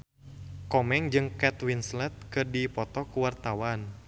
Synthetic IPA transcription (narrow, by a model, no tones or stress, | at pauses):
kɔmɛŋd͡ʒɨŋkɛt̪winslɛt̪̚kɨrdipɔt̪ɔkuwart̪awan